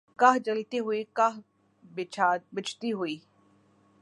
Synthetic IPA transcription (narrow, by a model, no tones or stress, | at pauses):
kaɦd͡ʒɐlt̪eɦʊekaɦ | bɪt͡ʃʰaːbɪt͡ʃʰt̪iɦuiː